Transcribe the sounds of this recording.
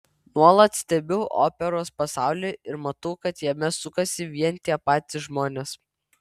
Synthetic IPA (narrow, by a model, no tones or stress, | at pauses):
nuɔlˠɐt̪sʲt̪ʲɛbʲɛʊʔo̰ːpʲɛɾoːspɐsɑˑʊlʲeːɪɾmɐt̪ɐʊkɐt̪jɛmʲɛsʊkɐsʲɪʋʲiɛnʲt̪ʲiɛpɑːt̪ʲɪʒmoːnʲeːs